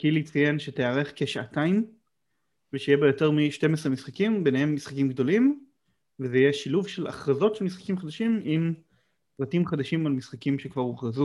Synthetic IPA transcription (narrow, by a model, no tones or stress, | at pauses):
kilit͡sajenʃeteaʁeχke̞ʃaataim | veʃejebejo̞teʁmiʃte̞mes̬ʁemisχakimbenehe̞mːisχakimɡd̪o̞lim | vezejeʃiluvʃela̰χʁazo̞tʃelmisχḁkimχad̪aʃimim | pʁatimχad̪aʃimalmisχakimʃekvaʁuχʁazu